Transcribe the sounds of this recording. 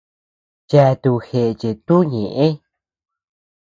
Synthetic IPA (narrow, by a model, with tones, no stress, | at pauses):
t͡ʃa˧t̪u˧xe˧ʔt͡ʃe˨t̪u˦ɲẽ˨ʔẽ˦